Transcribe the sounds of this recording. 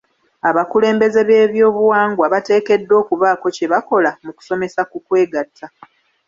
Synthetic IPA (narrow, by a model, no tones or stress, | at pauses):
aβakule̞ːmbe̞ze̞βe̞ːβjo̞ːβuwaːŋɡwaβate̞ːke̞dːo̞ːkuβaːko̞ce̞βako̞lamuku̥so̞me̞sakukwe̞ːɡatʰːa